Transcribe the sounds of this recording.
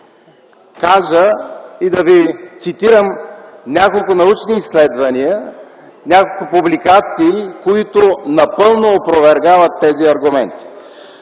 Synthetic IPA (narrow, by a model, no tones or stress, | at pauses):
kaʒəid̪ɐvit̪sit̪iɾəmnʲakolˠkʊnɐut͡ʃniːslɛd̪vɐniə | nʲakolˠkʊpublikat̪siːkoit̪ʊnɐpɤlˠnoːpɾovɛɾɡavət̪ːɛziɐɾɡʊmɛ̰nt̪i̥